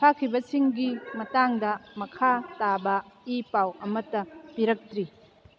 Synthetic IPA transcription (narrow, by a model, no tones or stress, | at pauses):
pʰakʰibɐsiŋɡimɐtaŋdɐmɐkʰatabɐipawɐmɐtːɐpiɾɐk̚tɾi